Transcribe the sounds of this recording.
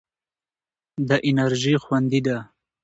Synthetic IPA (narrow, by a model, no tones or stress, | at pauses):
d̪əʔɪnaɾʒixwand̪id̪a